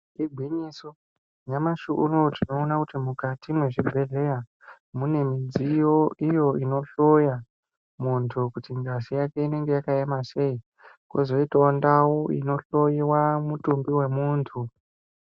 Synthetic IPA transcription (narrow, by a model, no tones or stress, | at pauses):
kiɡʱwiɲiso | ɲamaʃuʔurotino̞ːnakutimukatimwe̞ʐibʱe̞ɮe̞ja | mune̞mid͡zijo̞ijo̞ino̞ɬoja | muntʰukutiŋɡazijake̞ine̞ŋɡe̞jakaemase̞i | kwozoitaondawoḭno̞ɬo̞jiwamutumbiwe̞muːntʰu